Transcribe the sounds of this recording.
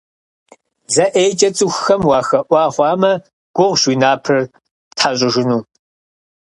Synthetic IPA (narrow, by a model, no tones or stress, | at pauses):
zɐʔeːjt͡ʃʼɐt͡sʼɨxxɐmwɑːxɐʔʷɑːχʷɑːmɐ | ɡ̥ʷʊʁʷʃwiːnaːpʰɨr | tħaɕʼɪʒɪnuː